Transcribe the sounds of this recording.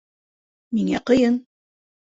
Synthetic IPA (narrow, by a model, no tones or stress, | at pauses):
miŋæ̰qɤ̆jɤn